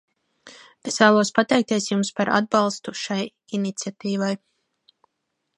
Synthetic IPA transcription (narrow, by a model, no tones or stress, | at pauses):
esvæːlˠuɔspat̪ɛjk̚t̪iɛsjumspaɾa̰d̪̚bɑlˠst̪uʃaj | init̪sʲiat̪iːvaj